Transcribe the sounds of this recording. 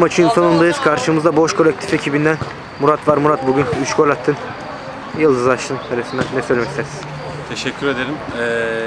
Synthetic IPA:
mat͡ʃʰɯɯnsonund̪ajɯz̥kʰaɾʃɯmɯzd̪abo̞ʃkʰolʲɛc̚t̪ʰi̥fe̞cʰibind̪æn | muɾat̪vaɾmuɾat̪̚buɟynyt͡ʃkʰo̞lʲat̪ʰːɯn | jɯlˠd̪ɯzˠaʃt̪ɯnsʰeɾesind̪ænːɛsøjlʲemɛkcst̪ʰæɛsi̥ | t̪ʰeʃɛcʲʰːyɾe̞d̪eɾimɛ

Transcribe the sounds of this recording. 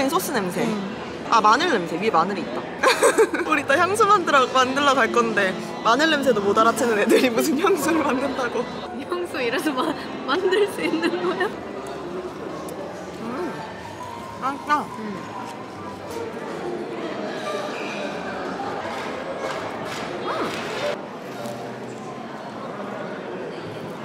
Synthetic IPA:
esʰos͈ɯne̞msʰe̞ | amanɯɭːemsʰeɥimanɯɾiːt̚t͈a | uɾit͈ʰaçjaŋs̬ʰomandɯɾamandɯɭːʌkaɭk͈ʌnde̞ | manɯɭːemsʰedomodaɾat͡ɕʰinɯne̞dɯɾimusʰɯnçjaŋsʰoɾɯɭmandɯndaɡo | jaŋsʰoiɾadoma | mandɯɭs͈uinːɯnɡʌja | ɯ | aa

